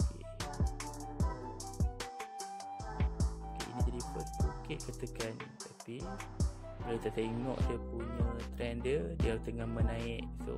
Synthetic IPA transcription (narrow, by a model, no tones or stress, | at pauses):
k | okḛʔḭnid͡ʒadipəst̪ukɪʔkət̪əkant̪api | lət̪ət̪eŋɔ̰̃ʔdiəpuɲə̃t̪ɾɛndədiəlt̪əŋahmənaɪʔso̰